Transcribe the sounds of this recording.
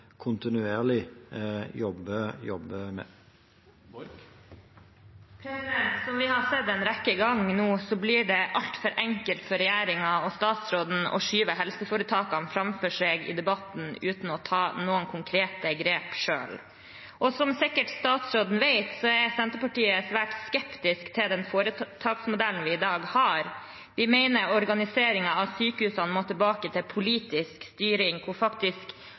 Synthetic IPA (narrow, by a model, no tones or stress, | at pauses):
kʰʊnt̪ɪnʉeːɾlɪ | jɔbəjɔbəmɛ̰ | pʰɾɛsɪd̪ɛnt̪sɔmʋɪhɑsɛd̪ːɛnɾɛkːəɡɑŋnuːsɔbliːɖɛʔɑlt̪fœɾʔɛŋkəlt̪fɔɾɛjæːɾɪŋɑɔst̪ɑːt̪sɾoːd̪n̩ɔ̰ʂyːʋəɦɛlsəfoːɾət̪ʰɑːkɑnfɾɑmfœʂeːɡɪ̰d̪ɛbɑt̪n̩ʉːt̪n̩ɔt̪ʰɑːnuːəŋkʰʊŋkʰɾeːt̪əɡɾeːpʂø̰ːl | ʔɔsɔmsɪkːəʈst̪ɑːt̪sɾoːd̪n̩ʋeɪt̪sɔɛɾsɛnt̪əpɑʈiːəsʋæːʈskɛpt̪ɪskt̪ʰɪld̪ɛnfoːɾət̪ʰɑːksmʊd̪ælnʋɪɪd̪ɑːɡhɑɾ | ʋ̪ɪmeɪnəɾɔɾɡɑnɪseːɾɪŋɑɑʋsyːkəhʉːsɑnmoːt̪ʰɪlbɑːkət̪ʰɪlpʰʊliːt̪ɪskst̪yːɾɪŋkʰʊfɑkt̪ɪsk